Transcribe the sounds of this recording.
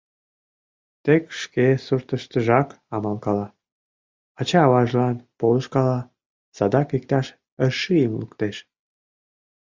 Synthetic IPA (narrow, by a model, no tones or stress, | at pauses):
t̪ekʃkesurt̪əʃt̪əʒɑk | ɑmɑlkɑlɑ | ɑt͡ɕɑːβɑʒlɑnpoləʃkɑlɑ | sɑd̪ɑkik̚t̪ɑʃ | əʃijəmlukt̪eʃ